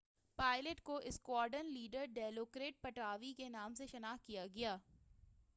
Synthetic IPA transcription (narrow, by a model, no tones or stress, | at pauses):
paːɪləʈkoʔɪskwaːɾɖənliːɖəɾɖɛːloːkɾeːʈ̚pɐʈaːʋikenaːmseʃɐnaːkijaɡɐjaː